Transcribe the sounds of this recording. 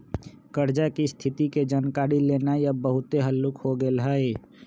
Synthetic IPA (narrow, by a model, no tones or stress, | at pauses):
kəɾd͡ʒakist̪ʰɪt̪iked͡ʒaːnkaːɾileːnaiəbːəɦʊt̪eɦəlːʊkhoɡelɦəe